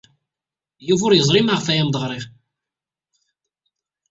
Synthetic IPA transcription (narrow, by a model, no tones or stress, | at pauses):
juvʊɾjəzˤɾˤimaʁfæjæmd̪ˤʁɾˤɪʁ